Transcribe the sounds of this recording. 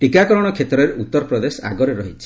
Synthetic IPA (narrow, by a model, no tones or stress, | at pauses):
ʈikakɔɾɔɽ̃ɔkʰet̪ɾɔɾeut̪ːɔɾɔpɾɔd̪esɔa̰ɡɔɾeɾɔɦit͡ʃʰi̥